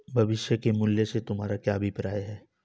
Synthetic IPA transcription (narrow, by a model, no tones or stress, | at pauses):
bʱɐʋɪʃjəkemʊljəset̪ʊmɦaːɾakjaːbʱipɾaːjɦɛː